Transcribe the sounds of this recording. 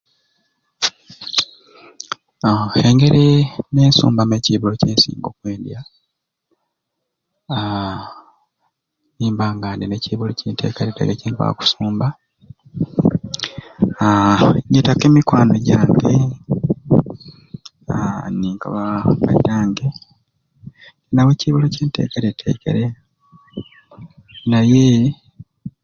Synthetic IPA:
eŋɡe̞ɾineːnsṵːmbameciːβuloceːnsḭːŋɡokwe̞ːndja | niːmbaːŋɡaːndineciːβuloceːntʰe̞̰ːkaɾita̰ɡeciːŋka̰ku̥suːmba | ɲetake̞ːmikwaːnoɟaːŋɡe | niːŋkʰaβaka̰daːŋɡe | inaweciβoloceːnte̞̰ːkeɾetʰḛkḛɾe | naje

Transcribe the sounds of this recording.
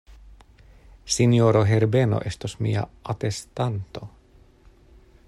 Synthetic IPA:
sinjoɾoɦeɾbeno̰ʔest̪osmḭa̰at̪est̪ant̪o

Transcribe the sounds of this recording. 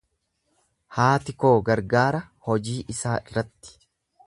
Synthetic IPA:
haːt̪ɪko̞ːɡɐɾɡaːɾɐhɔd͡ʒiːʔɪsaːɪrːɐt̪ːɪ̥

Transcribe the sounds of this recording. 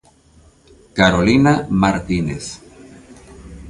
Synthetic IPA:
kaɾolinamaɾt̪inḛs

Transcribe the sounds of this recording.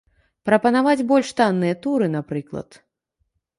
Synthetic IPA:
pɾɐpɐnavad͡zʲbɔlʲʂt̪anːɨjɐt̪uɾɨnapɾɨklˠɐ̰t̪

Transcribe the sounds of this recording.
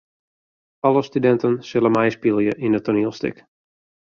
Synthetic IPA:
ɑləstydɛntənsɪləmɛjspilˠjəʔindətoniəlˠstɪ̰k

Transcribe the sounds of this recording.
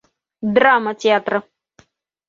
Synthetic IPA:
d̪ɾamət̪ʲeat̪ɾə

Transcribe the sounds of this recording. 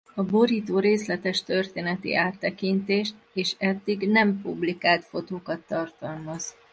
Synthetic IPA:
ɒbo̞ɾiːt̪oːɾeːslɛt̪ɛʃt̪ø̞rt̪eːnɛt̪ḭʔaːt̪ːɛkint̪eːʃt̪ | eːʃɛd̪ːiɡnɛmpublikaːlt̪fo̞t̪oːkɒt̪ːɒrt̪ɒlmɒz

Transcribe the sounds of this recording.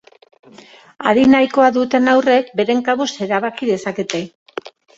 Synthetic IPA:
a̰ɾinajko̞aðut̪e̞nawre̞k̚be̞ɾe̞ŋkaβuse̞ɾaβ̞akiðe̞saket̪e̞

